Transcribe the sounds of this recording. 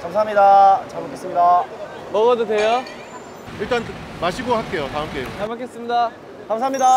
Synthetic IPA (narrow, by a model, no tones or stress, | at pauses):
kamsʰaɦamɲidat͡ɕamok͈ʰːes͈ɯmɲida | mʌɡʌdodejo | iɭt͈an | maɕʰiɡoɦak͈e̞jotaɯmk͈e̞jot͡ɕamakes͈ɯmɲida | kamsamɲida